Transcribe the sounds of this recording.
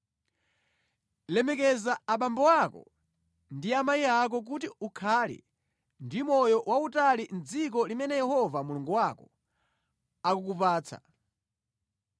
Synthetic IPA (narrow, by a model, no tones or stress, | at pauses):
lɛmɛkɛzaːɓambɔwakɔ̰ | ndiamajiak̬ɔk̬utiukʰalḭ | ndimɔjɔwautalin̩d͡zik̬ɔlimɛnɛjɛhɔvamuluŋɡuwakɔ | akukupaːt͡sʰa̰